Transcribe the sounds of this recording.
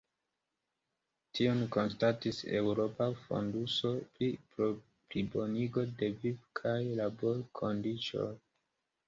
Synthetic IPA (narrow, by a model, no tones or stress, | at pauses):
tʰionko̞nstatise̞wɾo̞pafo̞̰nduso̞pɾipɾo | plibo̞niɡo̞de̞vivkʰajlabo̞ɾkʰo̞ndit͡ʃo̰